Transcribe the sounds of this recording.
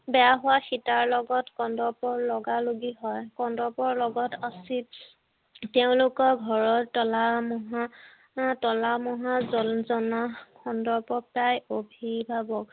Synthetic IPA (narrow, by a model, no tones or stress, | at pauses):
bɛjaɦʊwaxitaɹlɔɡɔtkɔndɔɹpɔɹlɔɡaloɡiɦɔjkɔndɔpɔɹlɔɡɔtasit | teʊ̃lʊkɔɡʱɔɹɔtːɔlamɔɦa | tɔlamɔɦazɔzɔnakʰɔndɔɹpɔp̚pɹajobʱibʱabɔk